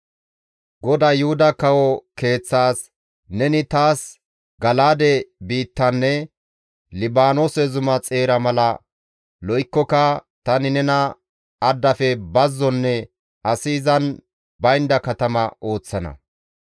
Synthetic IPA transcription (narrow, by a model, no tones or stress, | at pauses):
ɡɔd̪ɐjʊhʊd̪ɐkɐwɔke̞ːt͡sːaːs | nɛnɪt̪aːs | ɡɐlaːd̪ɛbiːt̪ːɐnːɛ | lɪbaːnosɛzʊmɐt͡sʼeːɾɐmɐlɐ | lɔɪkːɔkɐt̪ɐnɪnɛnɐ | ɐd̪ːɐfɛbɐzːɔnːɛ | ɐsiːzɐn | bɐjnd̪ɐkɐt̪ɐmɐʔo̞ːt͡sːɐnɐ̰